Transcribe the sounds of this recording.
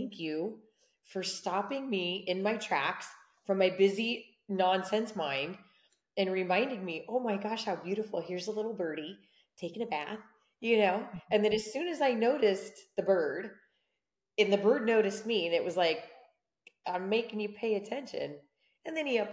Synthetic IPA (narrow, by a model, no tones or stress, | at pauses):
æ̃ŋkʰjʉ | fə˞stɑpɪ̃ŋmiɪ̃nmaɪtʰɹ̥æ̰ks | fɹʌ̃mːaɪbɪzi | nɑ̃nsɛ̃nsmãɪ̃nd | ɨ̃nɹɪmãɪ̃ndɪ̃ŋmiʔoʊmaɪɡɑʃhaʊbjʉɾɨfl̩ˠhɪɹzəlɪɾl̩ˠbɜ˞ɾi | tʰeɪkɪ̃ŋɨbæ̰θ | jɨnoʊɨ̃nðɨ̃nɨz̥sʉ̃nɨzaɪnoʊɾɨsðɨbɜ˞d | ɨ̃nðɨbɜ˞dⁿnoʊɾɨst̚miɨ̃nɨʔ̚wʌzlaɪk | ʔãɪ̃meɪkɪ̃ŋjɨpʰeɪɨtʰɛ̃nʃɨ̰̃n | ɨ̃nðɨ̃niʌp